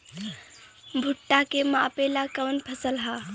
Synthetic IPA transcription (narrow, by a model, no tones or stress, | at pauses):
bʱuʈːakemapelakəʋənpʰəsəlɦa